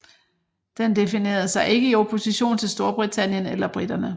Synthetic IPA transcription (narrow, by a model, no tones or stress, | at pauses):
d̥end̥e̝fine̝̰ːɐð̩ˠsɑ̈ɪe̝ɡ̥əiopʰo̝siɕo̝̰ːnt͡sʰe̝lsd̥o̝ɐb̥ʁit͡sʰæn̰jənelɐb̥ʁid̥ɐnə